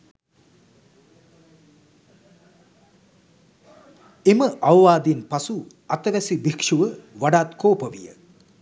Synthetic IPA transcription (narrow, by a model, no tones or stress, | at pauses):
eməʔaʋʋaːd̪inpasu | at̪əʋæsibikʂuʋəʋaɖaːt̪koːpəʋḭjə̰